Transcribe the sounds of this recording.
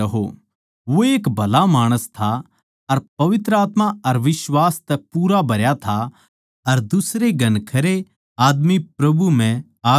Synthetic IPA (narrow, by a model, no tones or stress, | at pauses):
ɐɦo̰ | ʋoeːkbʱɐlamaːɽ̃əst̪ʰa | ɐɾpɐʋɪt̪ɾəaːt̪maɐɾʋɪʃwaːst̪ɛpuːɾabʱɐɾjat̪ʰa | ɐɾd̪ʊsɾeɡɐnkʰɐɾe | aːd̪mipɾɐbʱum̤ɛ̃ | aː